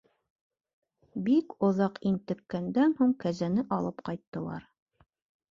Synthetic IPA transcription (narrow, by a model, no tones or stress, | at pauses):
bikŏðɑqint̪ɘ̆kːænd̪ænhuɴkæzænɘʔɑlˠɤpqɑjt̪ːɤ̆lˠɑ̰ɾ